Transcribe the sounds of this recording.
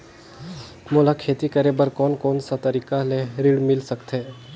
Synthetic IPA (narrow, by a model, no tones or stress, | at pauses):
molakʰeːt̪ikɐɾebəɾkɔːnkɔːnsat̪ɐɾiːkaleɾɪɽmɪlsəkt̪ɦeː